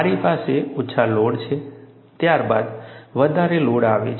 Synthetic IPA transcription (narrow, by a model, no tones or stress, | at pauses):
aɾipaseuʃʰaloɽt͡ʃʰe | t̪jaɾba̰d̪ʋəd̪ʱaɾeloɽaʋḛt͡ʃʰ